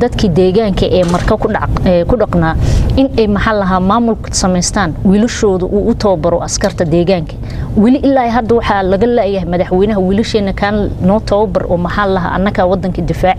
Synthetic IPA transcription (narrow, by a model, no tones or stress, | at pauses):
d̪ɐd̪kʰiːd̪ɛːɣaːŋkʰɐʔɛːmɐrkʰɐkɛkʰʊɖɑqnaːɪnɛjmɐħɑːlɐɦaːmaːmʊlkʰsɐmɛjst̪ʰaːnwiːlɐʃɔːðʊʔuːʔʊt̪ʰɔːbɐɾɔʔɐskʰɐrt̪ʰɐd̪ɛːɣaːŋkʰɐ | wɪlɪʔɪlːaːɛɦɐd̪ɐwɑħɑlɐɣɐlaːjɐɦɛmɐðɐħwɛːjnɐɦɐwiːlɪʃɛːnɐkʰaːnnɔːt̪ʰɔːbɐrʔɔ̰ːmɐħɑːlɐɦa̰ːʔɐ̰nːɐkʰawɑd̪ːɐŋkʰɐd̪ɪfaːʕ